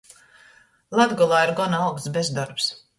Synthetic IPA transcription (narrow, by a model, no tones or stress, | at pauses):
lˠad̪ɡɔlˠaːiɾɡɔnawksbezd̪ɔɾps